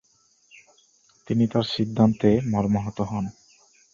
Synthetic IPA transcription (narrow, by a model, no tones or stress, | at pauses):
t̪init̪aɾʃid̪ʱːant̪emɔɾmoɦɔt̪oɦɔn